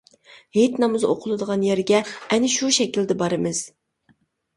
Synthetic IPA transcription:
het̪nɑmɨzo̰qʰʊlˠɨd̪əʁɑnjɛɾɡʲɛːnɪʃuʃɛkʲild̪ɪbɑɾɨmɨz̥

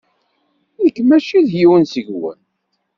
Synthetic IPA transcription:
ikːmæʃiðjiwənsəʝwə̰n

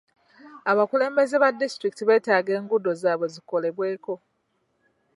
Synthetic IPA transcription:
aβakule̞ːmbe̞ze̞βadːistɾiki̥tiβe̞ːtaːɡe̞ːŋɡudo̞zaːβo̞ziko̞le̞βwe̞ːko̞

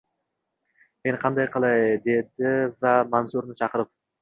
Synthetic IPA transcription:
me̞nqʰɑnd̪ɑjqʰɑlˠɑjd̪e̞d̪ɪvæmɑnsuɾnɪt͡ʃʰɑqəɾɪp̚

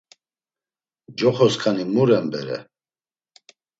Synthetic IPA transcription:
d͡ʒɔχɔskʰanimuɾɛmbɛɾɛ̰

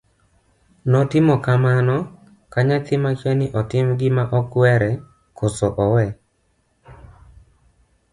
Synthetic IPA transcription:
nɔtɪmɔkamanɔ | kaɲat̪ɪmakjanɪʔɔtɪmɡɪmaʔɔkwɛɾɛ | kʰosɔʔɔwɛ

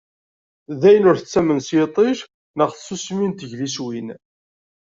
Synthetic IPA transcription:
ðæjənʊɾθət͡sːæmənsjet̪ˤiʃ | nəʁθsusmint̪əʝliswin

